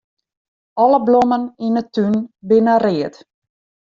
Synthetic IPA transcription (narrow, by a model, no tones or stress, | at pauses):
ɔləbloməninətynbɪnərɪət